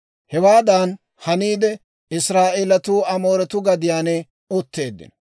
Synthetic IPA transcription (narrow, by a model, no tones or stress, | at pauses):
hɛwaːd̪an | hɐniːd̪ɛ | ɪsɾaːʔeːlɐt̪uːɐmoːɾɛt̪ʊɡɐd̪ɪjaːnɛ | ɔt̪ːe̞ːd̪ːɪ̰n